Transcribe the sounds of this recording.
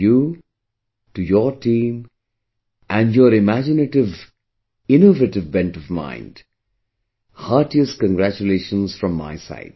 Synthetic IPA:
ju | ʈujɔɾʈʰĩːm | ʔæ̃nɖjɔɾɪmæd͡ʒɪnəʈɪʋ | ɪnoveʈɨʋbɛ̃nʈɔvmã̰ɪ̃nɖ | haːɾʈiəskə̃nɡɾæt͡ʃuleːʃə̃nsfɾɔ̃mːa̰ɪsa̰ɪt̚

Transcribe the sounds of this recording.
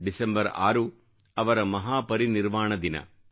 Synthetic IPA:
ɖisembɐɾa̰ːɾu | ɐʋɐɾɐmɐɦaːpɐɾiniɾʋaːɳɐd̪inɐ̰

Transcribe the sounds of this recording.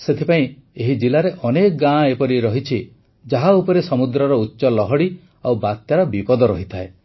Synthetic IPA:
set̪ʰipaĩeɦid͡ʒilaɾeʔɔnekɔɡãepɔɾiɾɔɦit͡ʃʰi | d͡ʒaɦaupɔɾesɔmud̪ɾɔɾɔutːʃɔlɔɦɔɽi | awbat̪jaɾɔbipɔd̪ɔɾɔɦit̪ʰae

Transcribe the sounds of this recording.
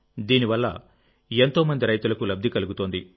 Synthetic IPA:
d̪iːniʋɐlːɐ̰ | e̞nt̪o̞ːmɐnd̪iɾɐjt̪ulɐkulɐb̚d̪ʱikɐluɡut̪o̞ːnd̪i

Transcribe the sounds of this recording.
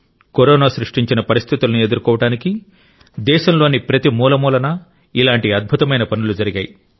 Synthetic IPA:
koɾɔːnaːsɾuʂʈiɲt͡ʃinɐpɐɾist̪ʰit̪ulɐnie̞d̪uɾkɔːʋɐɽaːniki | d̪ɛːʃɐmlo̞ːnipɾɐt̪imuːlɐmuːlɐnɐ | ilaːɳʈiɐd̪̚bʱut̪ɐmɐjnɐpɐnulud͡ʒɐɾiɡaːji

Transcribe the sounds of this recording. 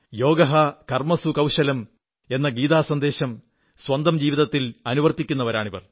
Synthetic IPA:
jo̞ːɡɐɦɐkɐrmɐsukɐwɕɐlɐm | e̞nːɐɡiːðaːsɐnd̪e̞ːɕɐm | swɐnd̪ɐmd͡ʑiːʋiðɐt̪ːilɐnuʋɐrt̪ːikʲːunːɐʋɐɾaːɳiʋɐ̰r

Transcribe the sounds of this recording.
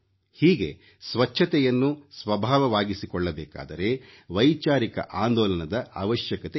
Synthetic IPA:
hiːɡe̞̰ | sʋɐt͡ʃʰːɐt̪ɛjɐnːusʋɐbʱaːʋɐʋaːɡisikɔɭːɐbɛːka̰ːd̪ɐɾe̞ʋɐjt͡ʃaːɾikɐ̰ʔaːnd̪ɔːlɐnɐd̪ɐa̰ːʋɐʃjɐkɐt̪e

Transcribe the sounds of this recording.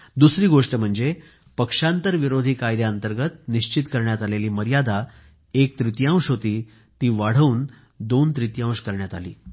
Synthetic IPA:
d̪usɾiːɡoʂʈəm̤əɳd͡ze | pəkʂãnt̪əɾʋiɾod̪ʱiːkajd̪jaənt̪əɾɡət̪niɕt͡ɕit̪kəɾɳjat̪aleliːməɾjad̪a | ek̚t̪ɾit̪jãw̃ʂɦot̪iː | t̪iːʋaɽ̤əuːn | d̪ont̪ɾit̪jãw̃ʂkəɾɳjat̪a̰lḭː

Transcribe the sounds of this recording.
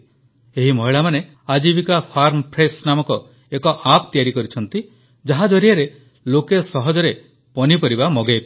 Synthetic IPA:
eɦimɔɦiɭamane | ad͡ʒibikapʰaɾmpʰɾesnamɔkɔ | ekɔʔapt̪ijaɾikɔɾit͡ʃʰɔnt̪i | d͡ʒaɦad͡ʒɔɾijaɾe | lokesɔɦɔd͡ʒɔɾe | pɔnipɔɾibamɔɡep

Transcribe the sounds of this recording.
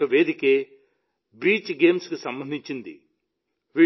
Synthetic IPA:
ɐʋeːd̪ikeː | biːt͡ʃɡe̞ːmskisɐmbɐnd̪ʱiɲt͡ʃind̪ḭ | ʋi

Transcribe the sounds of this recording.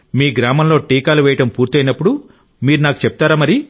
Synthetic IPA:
miːɡɾaːmɐmlo̞ːʈiːkaːluʋɛːjɐʈɐmpuːɾt̪iɐjnɐpːuɽu | miːɾunaːku̥t͡ʃep̚t̪aːɾamɐɾi

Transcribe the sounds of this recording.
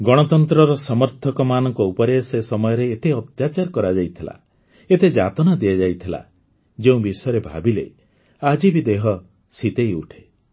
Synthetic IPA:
ɡɔɽ̃ɔt̪ɔnt̪ɾɔɾɔsɔmɔɾt̪ʰɔkɔmanɔŋkɔupɔɾesesɔmɔjɔɾeːt̪eɔt̪jat͡ʃaɾkɔɾad͡ʒajt̪ʰila̰ | et̪ed͡ʒat̪ɔnad̪iad͡ʒajt̪ʰila̰ | d͡ʒeũbisɔjɔɾebʱabilḛ | ad͡ʒibid̪eɦɔ | sit̪ejuʈʰe̥

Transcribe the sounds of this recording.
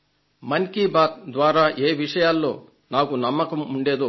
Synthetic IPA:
mɐŋkibaːt̪̚d̪ʋaːɾaːʔeːʋiʂɐjaːlːo̞̰ː | naːkunɐmːɐkɐmuɳɖe̞ːd̪u

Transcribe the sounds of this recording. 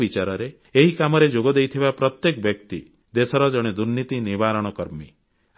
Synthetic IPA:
bit͡ʃaɾɔɾe | eɦikamɔɾed͡ʒoɡɔd̪ejt̪ʰibapɾɔt̪jekɔbjɔk̚t̪i | d̪esɔɾɔd͡ʒɔɽ̃ed̪uɾnit̪inibaɾɔɽ̃ɔkɔɾmi

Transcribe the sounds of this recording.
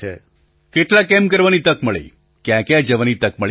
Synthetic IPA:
ḛ | keʈlãkɛmkəɾʋanit̪əkməɭḛ | kjãkead͡ʒəʋanit̪ək̚məɭ

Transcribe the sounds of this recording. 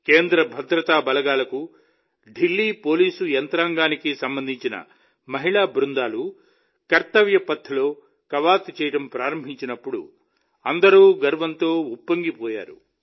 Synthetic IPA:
ke̞ːnd̪ɾɐbʱɐd̪ɾɐt̪aːbɐlɐɡaːlɐku | ɖilːiːpo̞ːliːsuɛnt̪ɾaːŋɡaːnikisɐmbɐnd̪ʱiɲt͡ʃinɐ̰ | mɐɦiɭaːbɾund̪aːlu | kɐɾt̪ɐʋjɐpɐt̪ʰːulo̞ː | kɐʋaːt̪t͡ʃɛːjɐʈɐmpɾaːɾɐmbʱiɲt͡ʃinɐpːuɽṵ | ɐnd̪ɐɾuːɡɐɾʋɐnt̪o̞ːupːɐŋɡipɔːja̰ːɾṵ

